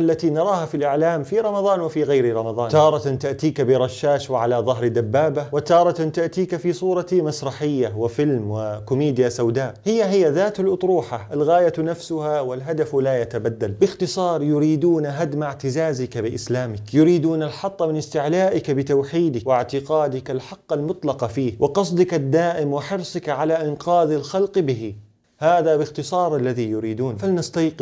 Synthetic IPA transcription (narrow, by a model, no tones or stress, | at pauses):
ʔalːat̪inɑɾˤɑːhafilʔɪʕlaːmfiɾˤɑmɑðˤɑːnwɪfiːɣajɾiɾˤɑmɑðˤɑːnt̪ɑːɾˤɑt̪t̪aʔt̪iːkabɪɾˤɑʃːaːʃwɪʕalaðˤɑɦɾd̪abːaːbawɪt̪ɑːɾˤɑt̪nt̪aʔt̪iːkafiːsˤuːɾˤɑt̪masɾˤɑħɪjːawɪfɪlmwɪkʊmeːd̪ɪjasawd̪aːʔhɪjːaɦɪjːaðaːt̪alʔʊt̪ˤɾuːħaʔalɣaːjanafsʊhawɪlɦad̪aflajat̪abad̪ːalbɪxt̪ɨsˤɑːɾˤjʊɾiːd̪uːnaɦad̪maʕt̪ɪzaːzɪkabɪʔɪslaːmɪkjʊɾiːd̪uːnalħɑt̪ˤːɑmɪnɪst̪ɪʕlaːʔɪkbɪt̪awħiːd̪ɪkwɪʕt̪ɪqɑːd̪ɪkalħɑqːalmʊt̪ˤlɑqɑfiːhwʔɪqɑsˤd̪ɪkad̪ːaːʔɪmwɪħɪɾsˤɪkʕalaʔɪnqɑːðalxalqbɪɦi | haːðabɪxt̪ɨsˤɑːɾˤʔalːaðijʊɾiːd̪uːnfalnast̪ːq